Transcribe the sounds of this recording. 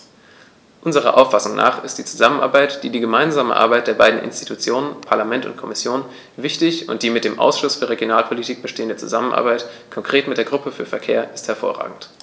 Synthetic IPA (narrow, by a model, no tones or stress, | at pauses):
ʔʊnzəʁ̞ɐ̰ʔaʊfasʊŋna̰ːχɪstd̥iːt͡suzamənʔa̰ɐbaɪtd̥iːdiːɡəmaɪnzaːmə̰ʔa̰ɐbaɪt̚d̥eːɐbaɪdn̩ʔɪ̰nsti̥tʰut͡sjoːnənpʰaɐlamɛntʊ̰ntkʰɔmɪsjoːn | vɪçtɪçʊ̰nt̚d̥iːmɪt̚d̥eːmʔa̰ʊsʃʊsfyːɐʁeɡjonaːlpʰɔlitʰiːk̚b̥əʃteːəndət͡suzamənʔa̰ɐbaɪtkʰɔŋkʁ̥eːtmɪt̚d̥eːɐɡʁʊpəfyːɐfɛɐkʰḛːɐʔɪsthɛɐfo̰ːɐʁa̰ːɡŋ̩t